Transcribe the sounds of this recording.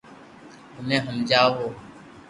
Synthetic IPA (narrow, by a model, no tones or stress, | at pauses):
ɦʊmẽːɦəmd͡ʒaːɦoː